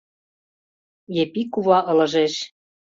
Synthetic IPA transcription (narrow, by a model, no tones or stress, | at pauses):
jepikuβɑʔɤ̆lɤ̆ʒeʃ